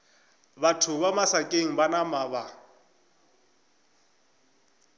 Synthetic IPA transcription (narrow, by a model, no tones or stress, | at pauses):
batʰʊβamasakʼeŋ̩banamaːβa